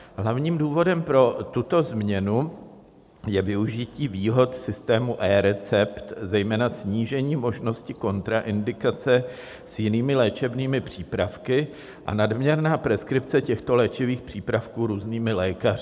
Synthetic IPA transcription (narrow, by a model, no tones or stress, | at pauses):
ɦlavɲiːmduːvo̞dɛmpɾo̞t̪ut̪o̞zmɲɛnu | jɛvɪuʒɪciːviːɦo̞t̪sɪst̪ɛːmuʔɛːɾɛt͡sɛpt̪zɛjmɛːnasɲiːʒɛɲiːmo̞ʒno̞scɪko̞nt̪ɾaʔɪndɪkat͡sɛ | sjɪniːmɪlɛːt͡ʃɛbniːmɪpr̝̥iːpɾafkɪ | ʔa̰nadmɲɛɾnaːpɾɛskɾɪp̚t͡sɛcɛxt̪o̞lɛːt͡ʃɪviːxpr̝̥iːpɾafkuːɾuːzniːmɪlɛːkarɪ